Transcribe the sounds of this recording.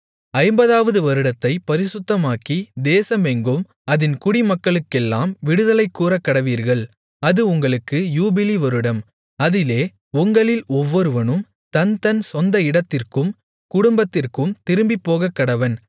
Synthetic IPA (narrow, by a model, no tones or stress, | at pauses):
ɐɪmbɐðaːʋɐðɯʋɐɾɯɽɐt̪ːɐɪpɐɾɪsɯt̪ːɐmaːkid̪eːsɐmɛŋɡɯm | ɐðɪnkʊɽimɐkːɐɭɯkːɛlːaːmʋɪɽɯðɐlɐɪkːuːɾɐkːɐɽɐʋiːɾɣɐɭ | ɐðɯʊŋɡɐɭɯkːɯjuːbɪliʋɐɾɯɽɐm | ɐðɪleː | ʊŋɡɐɭɪlɔʋːɔɾɯʋɐnɯm | t̪ɐnt̪ɐnsɔnd̪ɐɪɽɐt̪ːɪrkɯm | kʊɽʊmbɐt̪ːɪrkɯmt̪ɪɾɯmbipːoːɣɐkːɐɽɐʋɐn